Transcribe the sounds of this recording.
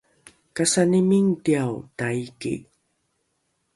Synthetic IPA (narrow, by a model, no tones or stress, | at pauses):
kasanimiŋtiawtaikḭ